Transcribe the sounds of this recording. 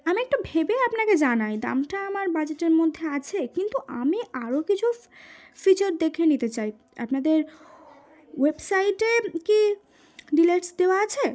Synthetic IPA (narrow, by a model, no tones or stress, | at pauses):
amiɛk̚ʈubʱebeapnaked͡ʑanajd̪a̰mʈaamaɾbad͡ʑeʈeɾmod̪ʱːeat͡ɕʰekint̪uʔamiaɾokit͡ɕʰu | fit͡ɕoɾd̪ekʰenit̪et͡ɕaj | a̰pnad̪eɾ | websajʈeki | ɖileʈsd̪eoaat͡ɕʰe